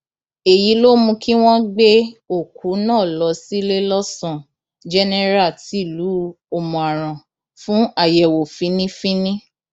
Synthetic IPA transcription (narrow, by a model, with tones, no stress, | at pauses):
e˨ji˨˦lo˦mũ˧ki˦w̃ɔ̃˦ɡ͡be˦o˦˨kʰu˨˦nãː˦˨lɔ˧˦si˦le˦lɔ˦sɔ̃˦˨ | d͡ʒɛ˦nɛ˦ɾa˦˨ti˨˦˨lu˨˦ | o˧mɔ̃˨a˨ɾ̃ã˨ | fũ˦a˦˨jɛ˨wo˨fĩ˨˦nĩ˦fĩ˦nĩ˦